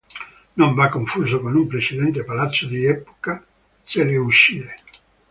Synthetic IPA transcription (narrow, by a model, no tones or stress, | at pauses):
noɱvakːoɱfuːzokonumpɾet͡ʃid̪ɛnt̪̬epalat̪sːod̪iɛpo̥ka | seleuʃːide